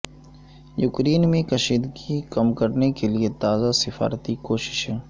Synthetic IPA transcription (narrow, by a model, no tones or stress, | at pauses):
jʊkɾiːnmẽkɐʃiːd̪ɡikɐmkɐɾnekeliet̪aːzasɪfa̰ːɾt̪ikoːʃɪ̥ʃɦɛ̃ː